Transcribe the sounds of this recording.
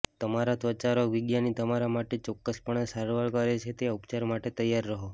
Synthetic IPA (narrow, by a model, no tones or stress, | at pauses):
t̪əmaɾat̪ʋət͡ʃaɾəkʋiɡjanit̪əmaɾamaʈet͡ʃɔkːəspəɳesəɾʋaɭkəɾet͡ʃʰet̪eaupt͡ʃaɾmaʈet̪əjːaɾːəɦo